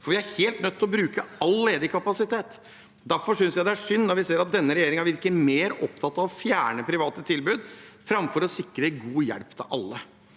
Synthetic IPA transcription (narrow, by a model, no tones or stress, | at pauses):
fɔɾʋɪæɾheːlt̪nœt̪ːɪlɔbɾʉːkəɑlːeːd̪əkʰɑpɑsɪt̪ʰeːt̪ | d̪æɾfɔʂʏnsjæɪd̪ɛæʂʏnnɔɾʋɪseːɾɑt̪̚d̪ɛnːəɾɛjeːɾɪŋɑʋɪɾɪklɪmeːɾɔ̰p̚t̪ʰɑt̪ːɑʋɔfjæːɳəpʰɾɪʋɑːt̪ət̪ʰɪlbʉːd̪fɾɑmfɔɾɔsɪkɾəɡuːjɛ̰ɽpt̪ʰɪ̰lʔɑ̰lːə